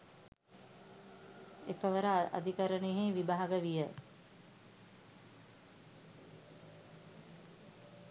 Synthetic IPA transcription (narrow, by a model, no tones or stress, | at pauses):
ekəʋəɾəa̰d̪ʱikəɾəneɦeʋibaɦaɡəʋijə